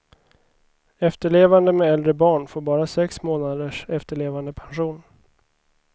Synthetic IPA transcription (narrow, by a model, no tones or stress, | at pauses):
ɛft̪əɭeːvand̪əmɛɛld̪ɾəbɑːɳfoːɾbɑːɾasɛksmoːnad̪əʂɛft̪əɭeːvand̪əpʰanɧuːn